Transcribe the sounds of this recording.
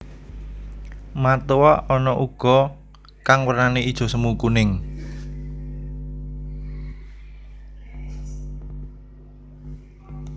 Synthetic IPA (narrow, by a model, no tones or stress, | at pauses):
mat̪uwaʔɔnɔʔuɡ̥ɔ̤ | kaŋwərnaneid̥ʒ̥ɔ̤səmukunɪŋ